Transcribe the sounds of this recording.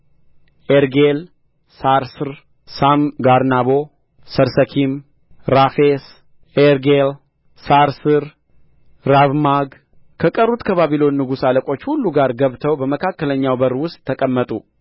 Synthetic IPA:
ʔeɾɡel | saɾsɨɾ | samɡaɾnaβo | səɾsəkʰim | ɾafes | ʔeɾɡel | saɾsɨɾ | ɾavmaɡ | kʰəkʼərːut̪kʰəβaβilo̞nːɨɡusaləkʼo̞t͡ʃːhulːuɡaɾɡəβt̪ʰəwbəməkʰakːələɲːawbəɾwʊst̪ʼʰːəkʼəmːət̪ʼu

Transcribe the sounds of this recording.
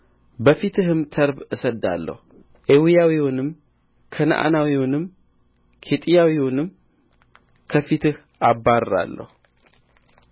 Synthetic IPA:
bəfit̪ʰɨɦɨmt̪ʰəɾbɨsəd̪ːa̰lːə̰hu | ʔewijawiwʊnɨm | kʰən̰ʔa̰nawiwʊnɨm | kʰet̪ʼijawiwunɨm | kʰəfit̪ɨh | abːaɾɾa̰lːə̰hu

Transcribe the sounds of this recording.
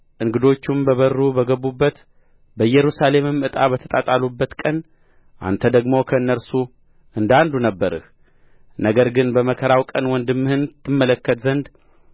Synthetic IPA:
ʔɨŋɡɨd̪o̞t͡ʃːumbəβərːubəɡəβubːət̪ | bəjɛɾusale̞mɨmɨt̪ʼaβət̪ʰət̪ʼat̪ʼalubːət̪kʼən | ʔa̰nt̪ʰəd̪əɡmokʰəɨnːəɾsu | ʔɨnd̪and̪unəbːəɾɨ̰h | nəɡəɾɡɨnbəməkʰəɾawkʼənwɔnd̪ɨmːɨhɨnt̪ʰːɨmːələkːət̪zənd̪

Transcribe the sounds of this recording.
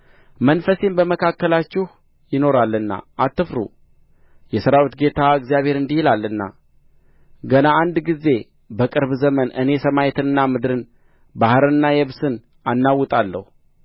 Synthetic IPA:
mənfəsembəməkʰakːəlat͡ʃːɪh | jɪno̞ɾalːɨnːa̰ʔat̪ːɨfɾṵ | jɛsəɾawit̪ɡe̞t̪ʰaɨɡzijaβhe̞ɾɨnd̪ihilalːɨnːa̰ | ɡənaːnd̪ɡize̞ | bəkʼɨɾβzəmənʔɨ̰ne̞səmajet̪ʰɨnɨnːamɨd̪ɾɨn | bahɾɨnːajɛβsɨn | anːawːɨt̪ʼalːə̰hu

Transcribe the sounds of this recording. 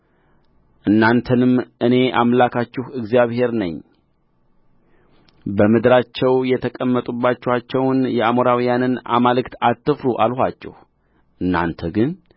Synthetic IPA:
ʔɨnːant̪ʰənɨmʔɨne̞ʔamlakʰat͡ʃːɪhɨɡzijaβhe̞ɾnə̰ɲː | bəmɨd̪ɾat͡ʃːɛwjɛt̪ʰəkʼəmːət̪ʼubːat͡ʃːɛhat͡ʃːɛwnjɛamoɾawijanɨna̰malɨkt̪ʰat̪ːɨfɾuʔalhʷat͡ʃːɛ̰h | ʔɨnːa̰nt̪ʰəɡɨn

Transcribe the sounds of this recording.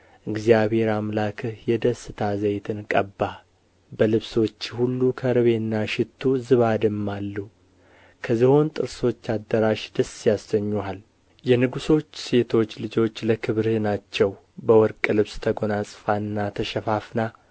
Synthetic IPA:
ʔɨɡzijaβhe̞ɾamlakʰɨhjɛd̪əsɨt̪ʰazəjt̪ʰɨnkʼəbːa | bəlɨβso̞t͡ʃːhulːukʰəɾɨβe̞nːaʃɪt̪ʰːuzɨβad̪ɨmːalːu | kʰəziho̞nt̪ʼɨɾso̞t͡ʃːad̪ːəɾaʃd̪əsːjasːəɲːual | jɛnɨɡuso̞t͡ʃːse̞t̪ʰo̞t͡ʃːlɨd͡ʒo̞t͡ʃːləkʰɨβɾnat͡ʃːɛw | bəwɔɾkʼlɨβst̪ʰəɡo̞nasʼɨfanːat̪ʰəʃɛfafna

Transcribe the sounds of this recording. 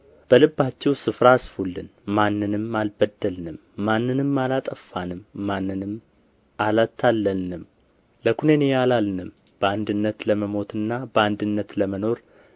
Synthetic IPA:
b̥əlɨbːat͡ʃːɛwsɨfɾasfulːɨnmanːɨnɨmːalbəd̪ːəlnɨmːanːɨnɨmːalat̪ʼəfːanɨmːanːɨnɨm | alat̪ʰːalːənɨm | ləkʰunenejalalnɨm | b̥əand̪ɨnːət̪ləməmo̞t̪ʰɨnːabəand̪ɨnːət̪ləməno̞ɾ

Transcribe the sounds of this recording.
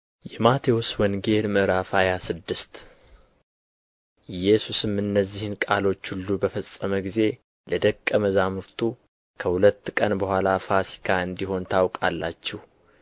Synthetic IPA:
jɛmat̪ʰeoswɔnɡe̞lməɾafajasɨd̪ːɨst̪ | jɛsusɨmɨnːəzːihɨnkʼalo̞t͡ʃːhulːubəfəsʼːəməɡize̞ | ləd̪əkʼːəməzamɨɾt̪ʰu | kʰəhulət̪ːkʼənbəhʷalafasi̥kʰaɨnd̪iho̞nt̪ʰawkʼa̰lːat͡ʃːɛh

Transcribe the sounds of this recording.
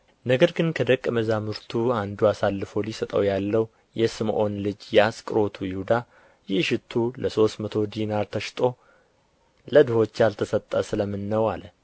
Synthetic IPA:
nəɡəɾɡɨnkʰəd̪əkʼːməzamɨɾt̪ʰuand̪uasalːɨfo̞lisət̪ʼə̰wjalːəw | jɛsɨmʔo̞nlɨd͡ʒjaskʼɨɾo̞t̪ʰujɪhud̪a | jɪʃɪt̪ʰːuləso̞st̪mət̪ʰo̞d̪inaɾt̪ʰəʃt̪ʼo̞ | ləd̪ɨho̞t͡ʃːalt̪ʰəsət̪ʼːəsɨləmːɨnːəwalə

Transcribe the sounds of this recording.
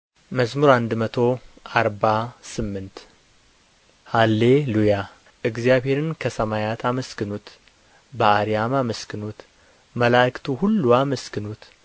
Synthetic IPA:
məsmuɾand̪mət̪ʰo̞ʔaɾbasɨmːɨnt̪ | halːeluja | ʔɨɡzjaβhe̞ɾɨnkʰəsəmajat̪ʰaməskɨnut̪ | bəaɾijamaməskɨnut̪ | məlakt̪ʰuhulːuaməskɨnut̪

